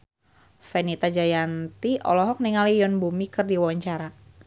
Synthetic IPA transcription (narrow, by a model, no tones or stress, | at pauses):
fɛnit̪ad͡ʒajant̪iʔɔ̰lɔɦɔk̚niŋalijɔnbumikɨrdiwawaɲt͡ʃaɾa